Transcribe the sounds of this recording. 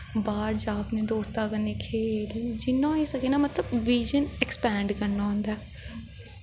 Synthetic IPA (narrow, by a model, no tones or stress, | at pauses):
baːɾd͡ʒaːpnẽːd̪oːst̪aːkənːeːkʰeːld͡ʒɪnːãːiːsəkeːnaːmət̪ləbʋiːd͡ʒənɛkspɛːɳɖkəɾnaːɦʊ̃ːnd̪aː